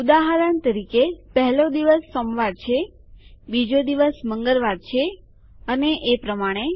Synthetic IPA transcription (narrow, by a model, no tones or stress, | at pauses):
ud̪aɦəɾənt̪əɾikepəɦɛlod̪iʋəsːomʋaɾt͡ʃʰe | bid͡ʒod̪iʋəsməŋɡəɾʋaɾt͡ʃʰe | əneʔepɾəmaɽ̃e